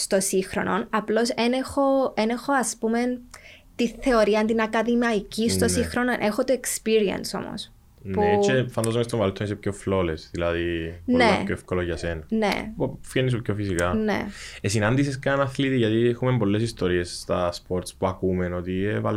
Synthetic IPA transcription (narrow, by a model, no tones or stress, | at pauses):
st̪o̞sixɾo̰nonɐplo̞senexoenexoɐspumen | t̪iθe̞oɾiɐnt̪inɐkɐðimɐicisst̪osixɾononʔe̞xot̪oekspiɾiɐ̰nso̞̰mo̰s | npuet͡ʃefɐnd̪azomest̪omɐlot̪ːoisepço̞flo̞lesðilɐðinonepçoefkoloʝɐsenɐnḛfenːis̬upçofisikɐnḛesinɐnd̪is̬eskɐnɐθlit̪iʝɐt̪iexumembo̞lːe̞sist̪o̞ɾie̞sst̪ɐspo̞ɾt̪spuɐkumeno̞t̪ievɐ̰l